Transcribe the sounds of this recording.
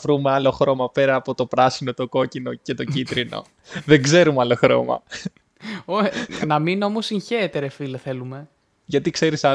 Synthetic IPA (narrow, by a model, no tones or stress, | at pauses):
vɾumeɐlo̞xɾo̞mɐpe̞ɾɐːpo̞t̪o̞pɾɐsino̞t̪o̞ko̞cino̞ce̞t̪o̞cit̪ɾino̞̰ | ðe̞ŋɡze̞ɾumɐlo̞xɾo̞̰mɐ̰ | onɐmino̞mosiɲçet̪eɾefileθe̞lume̞ | ʝɐt̪ikse̞ɾisɐ